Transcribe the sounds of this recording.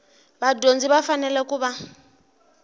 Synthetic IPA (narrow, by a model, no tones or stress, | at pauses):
badond͡ziβafanɛlɛkuːβa